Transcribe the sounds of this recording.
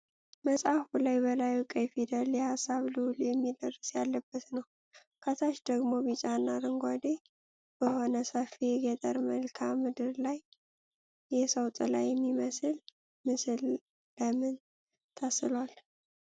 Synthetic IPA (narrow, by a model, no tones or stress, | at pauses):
məsʼafulajbəlajukʼəjfid̪əljɛhasːaβlɨwljɛmːid̪ərːəsjalːəbːət̪nəw | kʰət̪ʰaʃd̪əɡmo̞bit͡ʃʼanːaɾɨŋɡʷad̪e | b̥əho̞nəsəfiɡɛt̪ʼəɾməlkʰamɨd̪ɨɾlaj | jɛsəwt̪ʼlajːɛmːiməsɨl | mɨsɨl | ləmɨn | t̪ʰəsɨlwal